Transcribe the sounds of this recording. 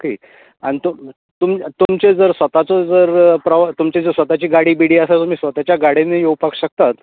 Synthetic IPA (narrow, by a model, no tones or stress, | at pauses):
kiː | aɽ̃it̪u | t̪umt̪umt͡ɕed͡zəɾsʋət̪at͡sod͡zəɾpɾəʋat̪umt͡ɕed͡zəsʋət̪at͡ɕiːɡaɽiːbiɽiːəsat̪um̤iːsʋət̪at͡ɕjaɡaɽenejowpakɕək̚t̪at̪